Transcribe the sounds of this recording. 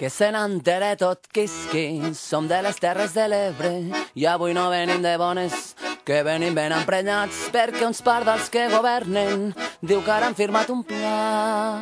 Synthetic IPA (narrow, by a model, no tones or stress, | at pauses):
kesenant̪eɾɛt̪ot̪kiskisomd̪elest̪ɛrezðeleβɾejaβujnoβenimd̪eβɔneskeβenimbenampɾeɲat͡speɾkeunspaɾðalskeɣoβɛɾnend̪iwkaɾaɱfiɾmat̪umpla